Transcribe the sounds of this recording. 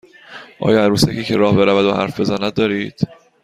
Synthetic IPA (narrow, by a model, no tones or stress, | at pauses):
ʔɒ̰ːjɒːæɾuːsæcʰiːcʰe̞ɾɒːhbe̞ɾævæd̪ohæ̰ɾfbe̞zænæd̪̚d̪ɒːɾiːd̪̥